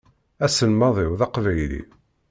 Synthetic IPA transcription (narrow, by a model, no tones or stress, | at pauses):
æsənmɑðˤɪwðɑqvæjlḭ